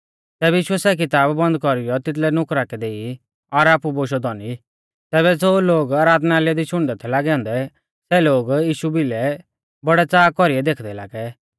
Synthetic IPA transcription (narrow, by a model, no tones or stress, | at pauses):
t̪ɛːbɛjiːʃʊɛsɛk̬ɪt̪aːbːɐ̃nd̪̚kɔɾɪjɔt̪ɪt̪̬lɛnʊkɾakɛd̪eːi | ɔɾaːpuboːʃ̬ɔd̪ɔni | t̪ɛːβɛd͡zoːloːɡaːɾaːd̪naaːliad̪iʃʊɽ̃d̪ɛt̪ʰɛlaːɡɛɔ̃ːnd̪ɛ | sɛloːɡjiːʃubɪlɛ | bɔɽɛt͡saːkɔɾiɛd̪eːkʰd̪ɛla̰ːɡɛ